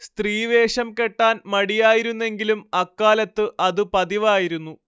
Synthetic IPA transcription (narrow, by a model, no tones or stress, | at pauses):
st̪riːʋe̞ːʂɐmke̞ʈːaːnmɐɽijaːjiɾunːe̞ŋɡilumɐkːaːlɐt̪ːɨʔɐðɨpɐðiʋaːjiɾunːu